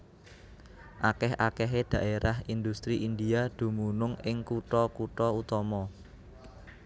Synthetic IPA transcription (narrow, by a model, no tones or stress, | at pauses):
ʔakɛhʔakɛɦed̪̥ä̤ʔeɾahind̪ust̪ɾiʔind̪iad̪̥ṳmunʊŋɪŋkuʈɔkuʈɔut̪ɔmɔ